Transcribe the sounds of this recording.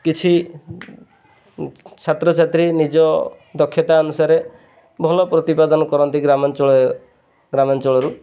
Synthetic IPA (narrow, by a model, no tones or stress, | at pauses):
kit͡ʃʰi | t͡ʃʰat̪ɾɔt͡ʃʰat̪ɾinid͡ʒɔ | d̪ɔkʰːjɔt̪aɔnusaɾe | bʱɔlɔpɾɔt̪ipad̪ɔnɔkɔɾɔnt̪iɡɾamɔnt͡ʃɔɔ | ɡɾamɔnt͡ʃɔɭɔɾu